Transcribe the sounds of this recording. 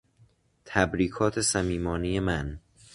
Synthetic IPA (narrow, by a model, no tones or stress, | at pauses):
t̪ʰæbɾiːkʰɒːt̪ʰesæmiːmɒːnijemæn